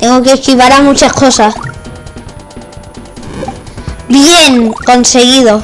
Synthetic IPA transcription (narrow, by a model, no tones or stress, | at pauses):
t̪e̞ŋɡokehkiβaɾamut͡ʃahko̞sah | bjeŋko̞nse̞ɣiðo